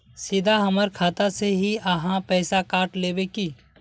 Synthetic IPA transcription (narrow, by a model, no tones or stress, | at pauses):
sɪd̪aɦɐməɾkʰaːt̪aseɦiɐɦãpɛːsakaːʈleːbekiː